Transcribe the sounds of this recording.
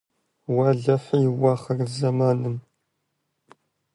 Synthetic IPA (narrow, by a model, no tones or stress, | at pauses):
waːɮɐħjɪwaːχɐrzɐmaːnɨm